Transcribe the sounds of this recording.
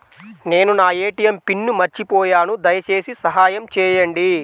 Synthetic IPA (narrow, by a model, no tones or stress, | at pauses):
ne̞ːnunaːe̞ːʈijɐmpinːumɐɾt͡ʃipɔːjaːnud̪ɐjɐt͡ʃe̞ːsisɐɦaːjɐmt͡ʃɛːjɐɳɖi